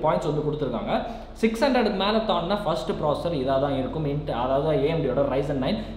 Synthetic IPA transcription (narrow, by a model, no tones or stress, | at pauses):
paːjɪ̃nʈsʋɐnd̪ɯkɔɽɯt̪ːɯɾɯkːa̰ːŋɡɐ | sɪkshɐndɾɐɽmeːlɐt̪ːaːnnaːfɐsʈɯpɾoːsɛsɐɾɪðaːʋɐt̪ãːɛnɐkːɯmɪnʈɐðaːʋɐðeːɐmbɽɪjoːɽɐɾɐɪsɐnːɐɪn